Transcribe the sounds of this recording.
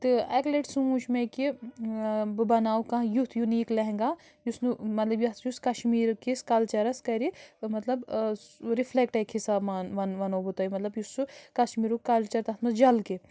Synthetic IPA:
t̪ɨɛkleʈsuuʃʰmeki | bɨbɐnaːwkɐ̃jut̪ʰjuniːklɐɦẽŋɡaː | jusnumɐt̪lɐbjɐjuskɐʃmiːɾkiskɐlt͡ʃɐɾɐskɐɾimɐt̪lɐb | ɾiflek̚ʈɐkʰhisaːbmanʋɐnʋɐnoːbut̪ɐjimɐt̪lɐbjusukɐʃmiːɾukɐlt͡ʃɐɾt̪ɐt̪mɐsd͡ʒɐlki

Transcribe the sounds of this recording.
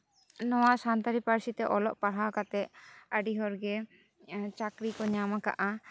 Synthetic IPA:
nɔwasant̪aɾipaɾsit̪ɛʔɔlɔʔpaɽ̤awkat̪ɛʔaɖiɦɔɾɡɛ | t͡ʃakɾikɔɲamaka̰ʔa

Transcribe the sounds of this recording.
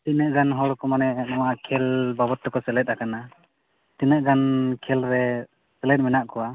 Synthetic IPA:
t̪inəʔɡanɦɔɽɔkɔmanɛɛnɔwaʔakʰɛlbabɔt̪ːɔkɔsɛlɛt̪̚akana | t̪inəʔɡankʰɛlɾɛ | sɛlɛt̪̚mɛnaʔkɔwa

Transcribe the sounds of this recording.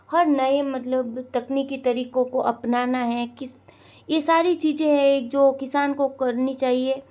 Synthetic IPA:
hɐɾnɐemɐt̪ləbt̪ɐknikit̪ɐɾiːqõkoʔɐpnaːnaɦɛkɪs | jesaːɾit͡ʃiːzẽɦɛ̃eːk̚d͡ʒoːkɪsaːnkokɐɾnit͡ʃaːɦieː

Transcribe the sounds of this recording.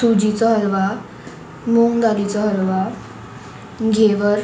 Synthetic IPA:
ud͡ʑit͡sɔɦəɾʋa | moŋɡalit͡sɔɦəɾʋa | ɡʱeʋəɾ

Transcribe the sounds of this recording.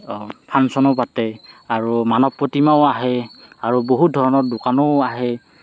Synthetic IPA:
pʰansɔnɔpatɛaɹumanɔpːotimaʊaɦɛaɹuboɦut̚dʱɔɹɔnɔɹdʊkanɔaɦɛ

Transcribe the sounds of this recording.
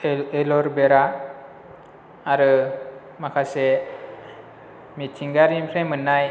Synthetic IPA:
elɔɾbeɾa | ɾɯ | makʰase | mitʰiŋɡaɾimpʰɾejmɯnːaj

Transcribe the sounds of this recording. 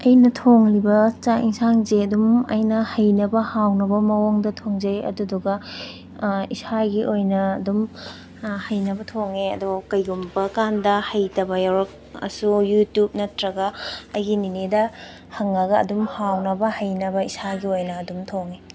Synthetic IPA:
ɐjnɐtʰoŋlibɐt͡ʃaʔiŋsaŋzeɐdumɐ̰jnɐhɐjnɐbɐhawnɐbɐmɐwoŋdɐtʰoŋzɐjɐ̰duduɡɐ | isaɡiʔojnɐːdum | hɐjnɐbɐtʰoŋeɐ̰dokɐjɡumbɐkandɐhɐjtɐbɐjawɾɐk̚ɐ̰sujutjup̚nɐtɾɐɡɐɐjɡininedɐ | hɐŋːɐɡɐ̰ːdumhawnɐbɐhɐjnɐbɐisaɡiojnɐːdumtʰoŋe

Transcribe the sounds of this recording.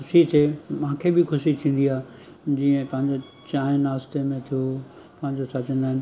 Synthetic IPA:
xʊʃit̪ʰemãːkʰebɪxʊʃit̪ʰĩːn̆d̪iaːe | d͡ʑiːə̃pɐ̃ɦɪ̃ɲd͡ʑo | t͡ɕaːɪ̃naːst̪emẽt̪ʰijo | pɐ̃ɦɪ̃ɲd͡ʑosʰat͡ɕə̃nd̪aːɦɪnɪ̆

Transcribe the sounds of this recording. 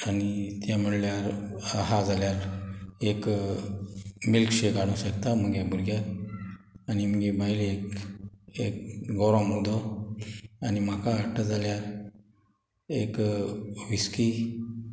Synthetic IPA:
anit̪jam̤əɽljaɾaɦad͡zʱaljaɾek | milkɕeɡaɽ̃ũɕəkt̪am̤əɡebuɾɡjaɾ | añim̤əɡebajlek | ek̚ɡɔɾɔ̃mud̪ɔ | anim̤akaːʈəd͡zaljaɾ | ek | ʋiski

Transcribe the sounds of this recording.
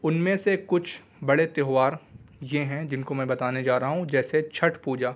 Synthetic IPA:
ʊnmẽsekʊt͡ʃʰ | bɐɽet̪eːɦʋaːɾjeɦɛ̃d͡ʒɪnkomɛ̃ːbɐt̪aːned͡ʒaːɾɐɦaɦũd͡ʒɛːset͡ʃʰɐʈpuːd͡ʒaː

